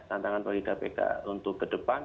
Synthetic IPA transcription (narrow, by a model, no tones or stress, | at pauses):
t̪ant̪aŋanpəlikapeka̰unt̪ʊk̚kədəpan